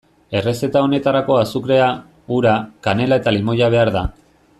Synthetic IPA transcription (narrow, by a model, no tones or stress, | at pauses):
e̞re̞se̞t̪ao̞ne̞t̪aɾako̞asukɾe̞a | uɾakane̞lae̞t̪alimo̞jaβ̞e̞aɾða